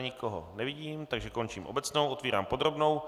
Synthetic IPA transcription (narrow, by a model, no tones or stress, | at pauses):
ɲɪkoɦo̰nɛvɪɟiːmt̪aɡʒɛko̞nt͡ʃiːmʔo̰bɛt͡sno̞wʔot̪viːɾa̰ːmpo̞d̪ɾo̞bno̞w